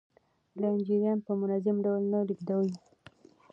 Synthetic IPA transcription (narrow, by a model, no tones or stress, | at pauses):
laɪnd͡ʒiɾjanpəmʊnazɪmɖawlnalikd̪awj